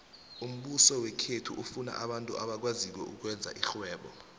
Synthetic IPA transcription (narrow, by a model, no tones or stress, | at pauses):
um̩ɓusɔwɛkʰetʰuʔufuna̰ʔaɓantʼuʔaɓak̬waziwɛʔuk̬wɛnd͡zʱa̰ʔiɬwɛːɓɔ̰